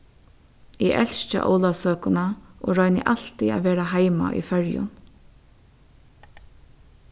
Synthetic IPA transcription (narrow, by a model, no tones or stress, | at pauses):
ɪʔɛl̥ʃt͡ʃə̰ʔɔ̰wlasøːkʊnaʔoːɹɔʏnɪ̰ʔal̥t̪ia̰ʋeːɾaɦaɪma̰ʔḭfɛɹjʊ̰n